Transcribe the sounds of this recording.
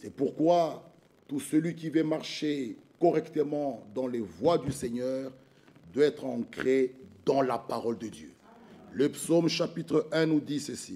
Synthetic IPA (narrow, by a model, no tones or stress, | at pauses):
sɛpuʁkwa | t̪usəlɥik̬ʲivɛmaʁʃekɔʁɛkt̪əmɑ̃d̪ɑ̃levwad̪ysɛɲœːʁ | d̪waɛt̪χɑ̃kχed̪ɑ̃lapaʁɔld̪əd̪jø̰ | ləpsomʃapit̪χəʔɛ̃nud̪isəsi